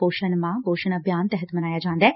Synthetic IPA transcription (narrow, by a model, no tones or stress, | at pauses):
oːʃənmãːboːʃənəbʱjaːnt̪ɛɦət̪mɐnaːjaːd͡ʒãːnd̪aɛː